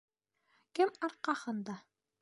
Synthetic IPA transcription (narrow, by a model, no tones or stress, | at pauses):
kɘmɑɾqɑhɤnd̪ɑ